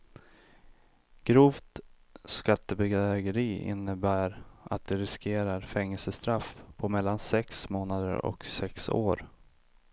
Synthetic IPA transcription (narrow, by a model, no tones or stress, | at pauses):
ɡ̥ɾuːft̪ | skat̪ːəbɛɡɾɛɡəɾiːɪ̰nːəbæːɾa̰t̪̚d̪ɛɾɪskʰeːɾaɾfɛŋːəlsəst̪ɾafpʰɔmɛlːansɛksmoːnad̪ə̰ɾɔ̰ksɛkso̰ːɾ